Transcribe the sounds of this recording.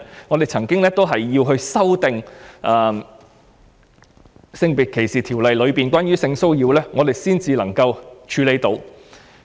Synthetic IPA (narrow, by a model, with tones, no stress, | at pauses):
ŋɔ˨˧d̪e˨˩jt͡sʰɐ˨˩ŋkɪ˥ŋlɛː˥t̪o˥wɦɐ˨jːiː˧wɦɵ˧ɥsɐ˥wt̪ɪ˨ŋʔɐ˨˧m | sɪ˧ŋpi˨˩kʰe˨˩jsiː˨t̪ʰiː˨˩wlɐ˨jlɵ˨˧ɥpiː˨˩nkʷaː˥nɥyː˥sɪ˧ŋso˥wjiː˧wlɛː˥ŋɔː˨˧d̪e˨jsiː˥nt͡siː˨lɐ˨˩ŋkɐ˧wt͡ʃʰyː˨˧le˨˥jt̪o˨˧w